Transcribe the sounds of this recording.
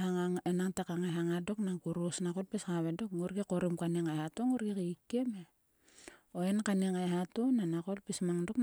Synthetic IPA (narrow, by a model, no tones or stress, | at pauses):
aŋaŋenaŋtakaŋaɦaŋadoknaŋkuɾosnakot̚peskaβedokŋuɾɡikoɾimkaniŋajhatoŋuɾɡikiikːeme | oenkaniŋajɦatonanakolpismaŋdok